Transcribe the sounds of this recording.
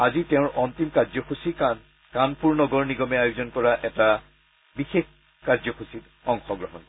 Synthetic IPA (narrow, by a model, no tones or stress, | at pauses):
aziteʊ̃ɹʔɔntimkazɔxusikan | kanpuɹnɔɡɔɹniɡɔmɛajuzɔnkɔɹaʔɛta | bixex | kaɹzɔxusit | ɔŋxɔɡɹɔɦɔnkɔ